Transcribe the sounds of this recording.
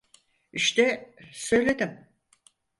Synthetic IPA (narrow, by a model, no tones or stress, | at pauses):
iʃt̪ɛsø̞jlʲe̞d̪im